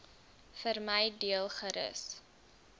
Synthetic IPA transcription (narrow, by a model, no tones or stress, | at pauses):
fərməjdiəlˠχəɾə̰s